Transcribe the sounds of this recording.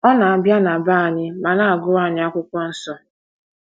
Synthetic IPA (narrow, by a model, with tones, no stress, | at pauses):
ɔ˦na˨a˨bja˦na˨ba˦a˨ɲɪ˦ma˨na˦a˨ɡʊ˦ɾa˦˨ɲɪ˦a˦kʷʊ˦kʷɔ˦n̩˦sɔ˦